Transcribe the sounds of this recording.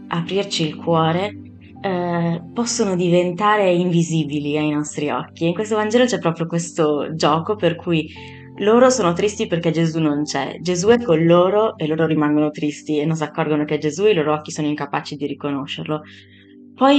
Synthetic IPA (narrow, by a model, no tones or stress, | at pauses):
apɾirt͡ʃiːlkwɔːɾe | pɔsːonod̪ivent̪aːɾeiɱviziːbiliajnɔst̪ɾiɔ̰kːiiŋkwest̪ovand͡ʒɛːlot͡ʃɛpːɾɔpɾjokwest̪od͡ʒɔːkoperkʰuj | loːɾosoːnot̪ɾist̪iperkɛd͡ʒezunont͡ʃɛ̰d͡ʒezuɛkːonloːɾoʔeloːɾoɾimaŋɡonot̪ɾist̪ienːons̬akːɔrɡonoked͡ʒezueiloːɾoɔkːisoːnoiŋkapaːt͡ʃid̪iɾikonoʃːerlo | pɔj